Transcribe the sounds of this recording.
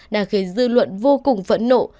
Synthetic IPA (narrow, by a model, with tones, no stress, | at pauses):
ɗaː˨˩xi˨˦zɨ̰˧˨lwə̰˧˨nvo˧kʊ˨˩ŋ͡mvə̰˧˥nːo̰˧˨